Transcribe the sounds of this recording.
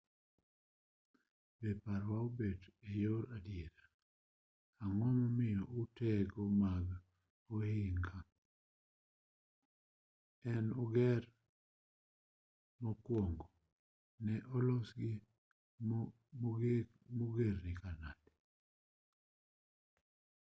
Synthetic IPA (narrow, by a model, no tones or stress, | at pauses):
bepaɾwaobedejoɾadjeɾa | aŋɔmɔmɪjɔʊtɛɡɔmaɡ | ohɪŋkʰa | ɛnɔɡɛɾ | mɔkwoŋɡo | nɛʔɔlɔsɡɪ | moɡeɾnɪkana̰dɛ